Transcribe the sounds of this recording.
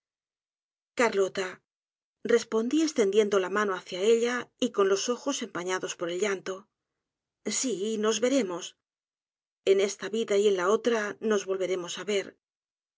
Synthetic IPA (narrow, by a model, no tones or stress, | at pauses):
kaɾlo̞t̪a | re̞spo̞nd̪ie̞st̪e̞nd̪je̞nd̪o̞lamano̞aθjae̞ʎaiko̞nlo̞so̞xo̞se̞mpaɲaðo̞spo̞ɾe̞lʎant̪o̞ | sino̞zβe̞ɾe̞mo̞s | e̞ne̞st̪aβiðaje̞nlao̞t̪ɾano̞zβo̞lβe̞ɾe̞mo̞saβe̞ɾ